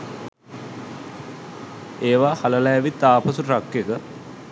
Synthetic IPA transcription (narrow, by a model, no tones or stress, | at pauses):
eːʋahaləlaʋit̪aːpɐsurakːjekə